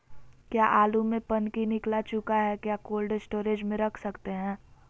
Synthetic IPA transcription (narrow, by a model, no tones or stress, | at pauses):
kjaːʔaːlumẽpənkinɪklat͡ʃʊkaɦɛkjaːkoːlɖsʈoːɾeːd͡ʒmẽɾɐkʰsɐkt̪eɦɛ̃ː